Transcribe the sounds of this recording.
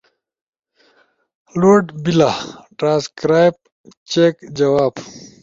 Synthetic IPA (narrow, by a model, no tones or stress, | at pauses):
loːɖbilaʈɾãːskɾaːjb̚ | t͡ɕeːkd͡ʑɐwaːb